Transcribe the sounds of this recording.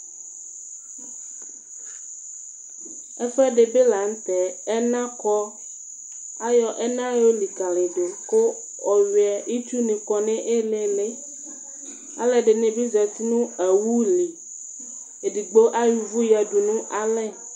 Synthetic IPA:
ɛ˦fɛ˦ɖe˨be˦la˨ŋ̩˦t̪ɛ˨ɛ˦nã˦kɔ˦ | a˦jɔ˨ʔɛ˦nã˦jo˦li˨ka˨le˨ɖo˨ko˦ | ɔ˨ɥi˨ɛ˨ʔi˦t͡ʃu˦nĩ˨kɔ˨nɛ̃˦ʔe˦le˦le˦ | a̰˦lɛ˨ɖe˨nẽ˨bi˦zɛ˨t̪i˦nũ˦e˨wu˦li˨ | e˨di˨ɡ͡bo˦ʔa˦ju˨vu˦ja˨ɖu˨nũ˦ʔa˦lɛ˦˨

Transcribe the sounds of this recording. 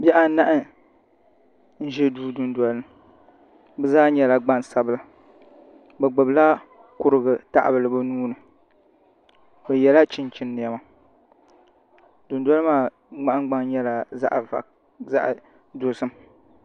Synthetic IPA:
bɛ˦ʔa˨na˦ʔɪ˦ | n̩˦ʒɛ˦duː˦dʊ˨ndwa˨lɨ˦m | bɛ˦zaː˦ɲɛ˦la˨ɡ͡ba˦nsa˨bɨ˦la˨ | bɛ˨ɡ͡bɨ˨bla˦ | kʊ˦ɾɨ˨ɡɨ˨ta̰˨ʔa̰˨bɨ˨lɨ˨bɨ˦nuː˦nɨ˨ | bɛ˨jɛ˨la˦t͡ʃi˦nt͡ʃi˦nːɪ˨ɛ˨ma˨ | dʊ˨nda˦lɨ˦maː˦ | ɡ͡ba˦ʔŋɡ͡ba˦ŋɲɛ˦la˨za̰˦ʔva̰˨k | za̰˦ʔ | do˨sɨ˦m

